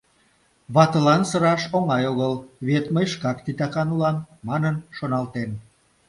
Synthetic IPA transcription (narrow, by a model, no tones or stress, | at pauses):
βɑt̪əlɑnsəɾɑʃoŋɑjoɣəlβet̪məjʃkɑkt̪it̪ɑkɑnulɑmːɑnənʃonɑlt̪en